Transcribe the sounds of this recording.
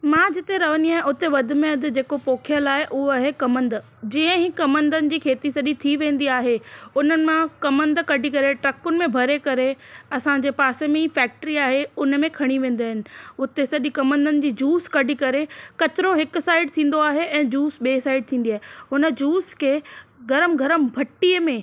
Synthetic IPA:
mãːd͡ʑɪt̪eɾɐʋəniaːɦɪ̃ʊt̪eʋɐd̪ʱɪ̆mẽɐd̪ɪ̆d͡ʑeːkopoːkʰjəlaːɦeʔʊɦoɦekɐmə̃nd̪ | d͡ʑĩːə̃ɦikɐmə̃nd̪ənɪ̆d͡ʑiːkʰeːt̪isɐɗĩt̪ʰiʋẽːn̆d̪iaːɦeʊnənɪ̆mãkɐmə̃nd̪kɐɖʱikɐɾeʈɾɐkʊnɪ̆mẽbʱɐɾekɐɾeɐsãd͡ʑeːpaːsemẽɦiːfɛːk̚ʈɾiaːɦeʊn̆mẽkʰɐɽ̃iʋẽːnd̪iaːɦɪnɪ̆ʊt̪esɐɗikɐmə̃nd̪ənɪ̆d͡ʑiːd͡ʑuːskɐɖʱikɐɾekɐt͡ɕɪɾoɦɪkʊ̆saːɪɖ̚t̪ʰĩːn̆d̪oaːɦeʔɛ̃ːd͡ʑuːsɓeːsaːɪɖ̚t̪ʰĩːn̆d̪iaːɦeɦʊnə̆d͡ʑuːskʰeːɡʱɐɾəmɡʱɐɾəmbʱɐʈːiəmẽː

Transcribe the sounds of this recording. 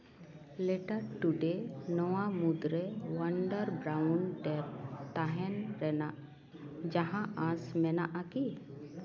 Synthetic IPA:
lɛʈaɾʈuɖenɔwamud̪ɾɛwaɳɖəɾbɾawnɖɛɾt̪aɦɛnɾɛnaʔ | d͡ʒaɦãasmɛnaʔaki

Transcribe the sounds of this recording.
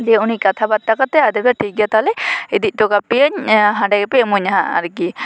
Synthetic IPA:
lieunikat̪ʰabad̪̚ʈːakat̪ɛad̪ɛbd̪aʈʰiɡat̪alɛid̪ic̚ˀʈɔɡapijaɲɦãɖɛɡɛpɛmuɲɦaa̰ɾɡi

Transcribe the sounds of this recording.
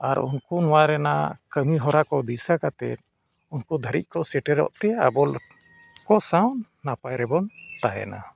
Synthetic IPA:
aɾunkunɔwaɾɛna̰kəmiɦɔɾakɔd̪isakat̪ɛ̰t̪̚ | unkud̪ʱəɾḭt̪̚kɔsɛʈɛɾɔ̰ʔt̪ɛabɔl | kɔsawnːapajɾɛbɔnt̪aɦɛ̰na̰

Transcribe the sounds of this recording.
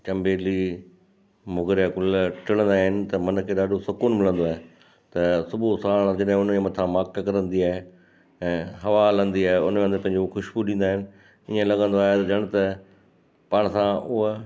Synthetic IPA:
t͡ɕɐ̃mbeːli | mʊɡɪɾjakʊlʈɪlə̃nd̪aːɦɪnɪ̆t̪ɐmɐnkʰeːɗaːɖʱosʊkuːnmɪlə̃nd̪oaːɦe | t̪ɐsʊbʱosaːɽ̃d͡ʑɪɗɦɪ̃ʊnmẽmɐt̪ʰãmaːkkɐɾə̃nd̪iaːɦe | ɛ̃ːɦɐʋalə̃nd̪iaːɦeʊneʋə̃nd̪əpɐ̃ɪ̃ɲd͡ʑoxʊʃbuɗĩːn̆d̪aːɦɪnɪ̆ | iə̃lɐɠə̃nd̪oaːɦet̪ɐd͡ʑɐɽ̃t̪ɐ | paːɽ̃sãʊɦ

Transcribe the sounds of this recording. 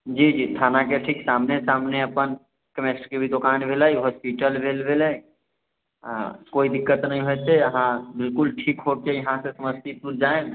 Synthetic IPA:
d͡ʒiːd͡ʒiːt̪ʰaːnakeʈʰiːksaːmnesaːmneəpən | kəmesʈkebʱid̪okaːnbʱelaiɦɔːspiʈəlbʱelbʱele | koːid̪ɪkːət̪nəɦĩɦot̪eəɦãbɪlkʊlʈʰiːkɦokejɐɦãsesəməst̪ipuɾd͡ʒaːẽ

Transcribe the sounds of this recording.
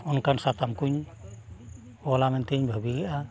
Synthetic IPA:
ɔnkansat̪amkuɲ | bɔlamɛnt̪iɲbʱəbiɡɛʔa

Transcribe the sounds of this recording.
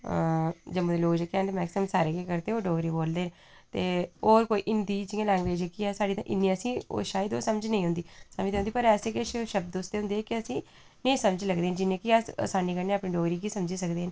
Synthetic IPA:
d͡ʒəmũːd̪eloːɡd͡ʒekːɛːnt̪emɛːksɪmsaːɾeːkekəɾt̪eːoːɖoːɡɾiːboːld̪eːɦn | t̪eːoːɾkoːiːʔɪnd̪iːd͡ʒiãːlɛ̃ːŋɡʋeːd͡ʒekiɛːsaːɖiːt̪ãːʔɪnːiəsĩːo̰ːʃaːjəd̪o̰ːsəməd͡ʒnəĩːɦʊ̃nd̪iːsəmd͡ʒt̪ãɦʊ̃nd̪iːpəɾɛːseːkeʃʃəb̚d̪ost̪eːɦʊ̃nd̪eːkɪəsĩː | nẽĩːsəməd͡ʒləɡd̪eːɦənd͡ʒɪnẽːkiaə̰saːniːkəɾneːaːpnĩːɖoːɡɾiːk̬iːsəmd͡ʒiːsəkd̪eːən

